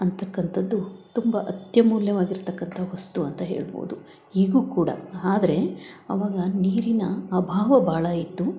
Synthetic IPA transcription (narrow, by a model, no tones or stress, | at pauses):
ɐnt̪ɐkːɐnt̪ʰɐd̪ːut̪umbɐʔɐt̪jɐmuːljɐʋaːɡiɾt̪ɐkːɐnt̪ʰɐʋɐst̪uɐnt̪ɐɦe̞̰ːɭbo̰ːd̪u | iːɡuːkuːɽɐ̰aːd̪ɐɾe̞ɐ̰ʋaːɡɐniːɾinɐːbʱaːʋɐbʱaːɭɐit̪ːu